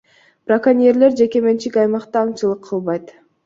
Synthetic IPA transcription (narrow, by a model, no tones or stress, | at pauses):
brakanʲieɾle̞ɾd͡ʒe̞ke̞me̞nt͡ʃikʲɑjmɑqt̪ɑːŋt͡ʃɯlˠɯqʰːɯlˠβɑjt̪